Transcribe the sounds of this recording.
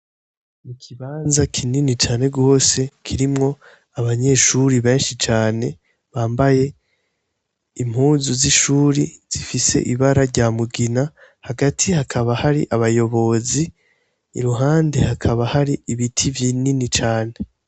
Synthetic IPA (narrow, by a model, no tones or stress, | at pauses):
mukʰiβaːnzakʰininit͡ʃaːne̞ɡo̞ːse̞kʰiɾimŋo̞ | aβaɲe̞ʃuɾiβe̞ːnʃit͡ʃaːne̞ | βaːmbaje̞ | im̥huːzuziʃuːɾiz̥ifise̞̰ʔiβaɾaɾɟaːmuɡina | haɡatʰihakʰaβahaɾḭʔaβajo̞βo̞zḭː | ɾuɦaːndehakʰaβahaɾiiβitʰivjininit͡ʃaːne̞